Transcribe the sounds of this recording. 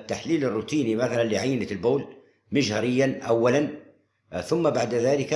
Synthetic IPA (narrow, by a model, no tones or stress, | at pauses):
t̪ːaħliːlɪrːut̪iːnimaθalanliʕajːɪnat̪lboːl | mɪʃhɑɾɪjːanʔawːalan | θʊmːabaʕd̪aðaːlɪk